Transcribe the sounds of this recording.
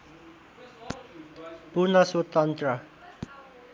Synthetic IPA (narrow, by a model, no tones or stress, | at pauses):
bunaswot̪ant̪ra